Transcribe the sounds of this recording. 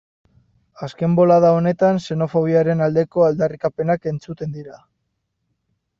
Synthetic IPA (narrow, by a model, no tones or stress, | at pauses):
aske̞mbo̞laðaone̞t̪anse̞no̞fo̞β̞iaɾe̞nald̪e̞ko̞ald̪arikape̞nake̞nt͡sut̪e̞nd̪iɾa